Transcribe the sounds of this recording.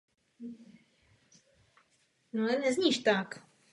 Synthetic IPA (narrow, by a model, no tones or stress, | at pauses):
nɔlɛnɛzɲiʃt̪ak